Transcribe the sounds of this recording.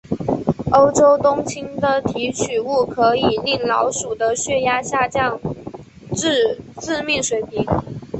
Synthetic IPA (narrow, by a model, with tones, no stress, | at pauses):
o˥ʊʈ͡ʂo˥ʊt̪ʊ˥ŋt͡ɕʰi˥ŋd̪ə˨t̪ʰi˧˥t͡ɕʰy˨˩u˥˩kʰɤ˧˥i˨˩li˥˩ŋlɑ˧˥ʊʂu˨˩d̪ə˦ɕɥɛ˥˧ja˥ɕja˥˧t͡ɕjɑ˥˧ŋ | ʈ͡ʂ̩˥˧ʈ͡ʂɻ̩˥˧mɛ˥˩nʂwe˧˥ɪpi˧˥˦